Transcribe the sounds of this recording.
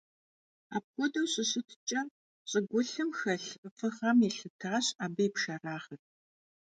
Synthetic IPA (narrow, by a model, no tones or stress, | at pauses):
aːp̚xʷɔdɐwɕʼɪɕɪtʰɨ̥t͡ʃʼɐr | ɕʼɪɡʷʊɬɨmxɐɬʔfɨʁɐmiɬɨtʰaːɕaːbɐjpʃɐraːχɐr